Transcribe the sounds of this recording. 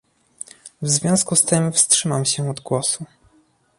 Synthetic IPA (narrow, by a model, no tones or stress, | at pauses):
vzvʲjɔ̃w̃skust̪ɘmfstʂɘmamɕɛɔd̪ɡwɔsu